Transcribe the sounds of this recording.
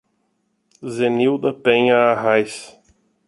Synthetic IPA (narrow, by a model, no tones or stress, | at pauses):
zeniwd̪ɐpẽɲɐːɦajs